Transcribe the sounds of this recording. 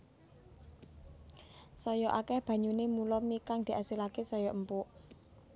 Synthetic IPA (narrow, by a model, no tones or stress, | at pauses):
sɔjɔʔakɛhb̥ä̤ɲunemulɔmikaŋd̪̥i̤ʔasilakesɔjɔʔəmpuʔ